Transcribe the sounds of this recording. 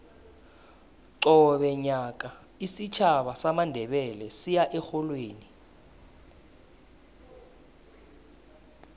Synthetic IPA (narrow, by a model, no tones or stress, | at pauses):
ǀɔɓɛɲaːk̬ʼa | isit͡ʃʰaɓasamandʱɛɓɛlɛsijaʔɛxɔlweːni